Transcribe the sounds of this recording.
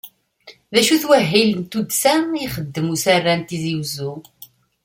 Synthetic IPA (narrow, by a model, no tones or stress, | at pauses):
ðæʃuθwæɦːilənt̪ud̪sæiχəd̪ːəmusarːænt̪iziwzu